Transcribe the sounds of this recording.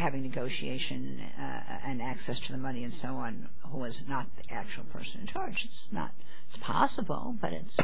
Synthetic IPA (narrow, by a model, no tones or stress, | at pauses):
hævɪ̃ŋnɨɡoʊʃieɪʃɨ̃n | ɨ̃næksɛstʰɨðɨmʌniɨ̃nsoʊɑ̃n | huɪznət̪̚ðiʔæk̚t͡ʃul̩ˠpʰɜ̰˞sɨ̃nɨ̃nt͡ʃʰɑɹd͡ʒɨtsnə̰t̚ | ɪtspʰɑ̰səbl̩ˠbʌ̰ɾɪ̰ts